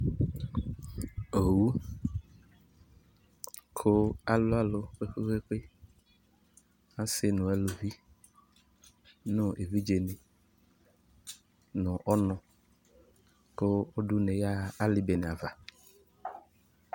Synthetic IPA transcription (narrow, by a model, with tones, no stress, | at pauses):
o˨wu˦ | kʰo˦a˨lo˦a˦lo˨ɸe˦ɸe˦ɸe˦ɸe˦ | a˦se˦nũ˨e˦lo˨vi˦ | nõ˦e˨vi˦d͡ʒe˨ne˨ | nɔ̃˨ʔɔ˦nɔ̃˨ | ko˦o˦ɖu˦nẽ˨ja˦˨a˦li˨be˨ne˨a˨va˨